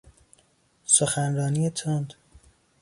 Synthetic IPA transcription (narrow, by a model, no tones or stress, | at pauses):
soxænɾɒːniːet̪ʰond̪